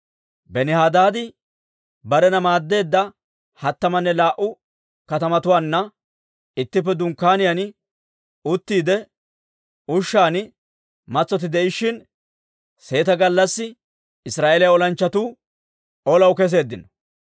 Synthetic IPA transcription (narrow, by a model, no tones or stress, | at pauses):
bɛnɪhaːd̪aːd̪ɪ | bɐɾɛnɐmaːd̪ːe̞ːd̪ːɐ | hɐt̪ːɐmɐnːɛlaːʔʊ | kɐt̪ɐmɐt̪ʊwaːnːɐ | ɪt̪ːɪp̬ːɛd̪ʊŋkːaːnɪjan | ʊt̪ːiːd̪ɛ | ʊʃːaːnɪ | mɐt͡sːɔt̪̬ɪd̪ɛʔɪʃːɪn | se̞ːt̪ɐɡɐlːɐsːɪ | ɪsɾaːʔelɪjaɔlɐnt͡ʃːɐt̪uː | ɔlɐwkɛs̬e̞ːd̪ːɪnɔ̥